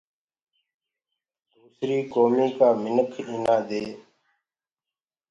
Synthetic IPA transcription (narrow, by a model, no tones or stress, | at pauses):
d̪uːsɾiːkoːmiːkaːmɪnəkʰiːnãːd̪eː